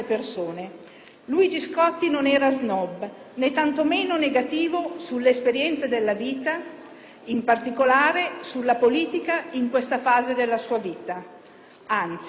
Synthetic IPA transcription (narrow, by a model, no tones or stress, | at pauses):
persoːne | luːjd͡ʒiskɔt̪ːinonɛːɾaznɔb | net̪ːant̪omeːnoneɡat̪iːvosulːeespeɾjɛnt̪sed̪elːaviːt̪a | impart̪ikolaːɾesulːapoliːt̪ikaiŋkwest̪afaːzed̪elːasuːaviːt̪a | ant̪si